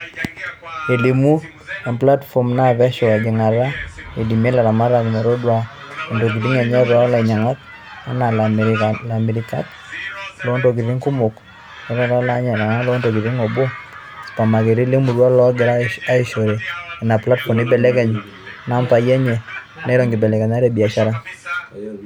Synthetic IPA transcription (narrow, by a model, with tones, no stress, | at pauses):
e˨li˨mu˦ | a˨mpla˦tfɔ˨mna˦βɛ˦ʃɔ˨a˨ɡɪ˨ŋa˨ɾa˦e˨di˨me˦la˨ɾa˨ma˦ɾa˨kma˨ɾo˦dwa˨ | ɔ˨ndo˨k̬i˨ɾi˦ŋa˨ɲɛ˦rwa˦la˨ɲa˨ŋa˦k̚ | a˦na˨la˨ala˨mi˨ɾɪka̰˦k̚ | lɔ˦ndo˨ki˨ɾi˦ŋku˦mʊ˨k | nɛ˨˦ɾɔ˦ɾa˦la˦ɲɛ˨la˨na˦lɔ˦nto˨ɡi˨ɾi˦ŋɔ˨bo˦ | spa˨ma˨ke˨ɾi˦le˦mu˨ɾwa˦lɔ˦ɡɪ˨ɾa˦a˦ɪ˨ʃo˨ɾe˨ɛ˨na˨pla˦tfɔ˨mnɪ˦bɛ˨lɛ˦kɛ˨ɲ | na˦mpa˨ja˦ɲɛ˨nɛ˦ɾɔ˨ŋɡɪ˨bɛ˨lɛ˨ka˨ɲa˦ɾe˦bi˨a˨ʃa˦ɾa˦